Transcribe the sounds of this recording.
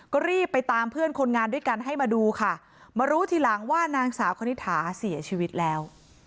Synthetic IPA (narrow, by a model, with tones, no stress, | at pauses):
kɔː˥˩ɾiː˥˩pːa˧jt̪aː˧mpʰɯ˥˩ənkʰo˧nŋaː˧ndu˥˩əjka˧nɦa˥˩jmaː˧duː˧kʰa˥˩ | maː˧ɾuː˦˥t̪ʰiː˧˩la˩˦ŋwaː˥˩naː˧ŋsaː˩˦wkʰa˧ni˦˥t̪ʰːaː˩˦si˩˦ɐt͡ɕʰiː˧wi˦˥t̪̚lɛː˦˥w